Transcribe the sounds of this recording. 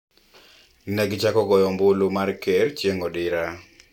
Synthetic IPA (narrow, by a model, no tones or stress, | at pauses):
nɛɡt͡ʃakɔɡɔjɔmbʊlomarkeɾt͡ʃjeŋɔdɪɾa